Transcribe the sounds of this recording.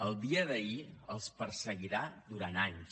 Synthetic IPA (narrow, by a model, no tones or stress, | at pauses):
əlˠd̪iəðəiəlˠspəɾsəɣiɾad̪uɾanaɲs